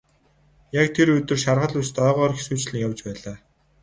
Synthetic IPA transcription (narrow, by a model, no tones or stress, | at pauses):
jakt̪ʰeɾɵt̪ɵ̆rʃarʁə̆ɮust̪œːʁɔːrxesuːt͡ɕɮɘ̆ŋjawt͡ɕpæːɮaː